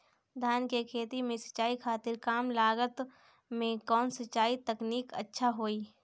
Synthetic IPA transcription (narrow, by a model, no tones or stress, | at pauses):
d̪ʱaːnkekʰeːt̪imẽsə̥t͡ʃaːikʰaːt̪ɪɾkaːmlaːɡət̪ | mẽkɔːnsətːt͡ʃːaːit̪əkniːkə̰tːʃʰaɦoːiː